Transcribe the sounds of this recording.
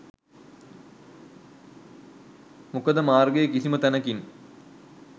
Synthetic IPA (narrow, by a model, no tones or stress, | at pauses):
mukɐd̪ɐmaːrɡejekisimɐt̪ɐnɐkin